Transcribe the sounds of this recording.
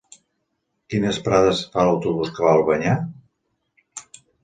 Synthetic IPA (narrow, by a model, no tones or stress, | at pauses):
kinəspɾaðəsfaləwt̪uβuskəβalˠβəɲa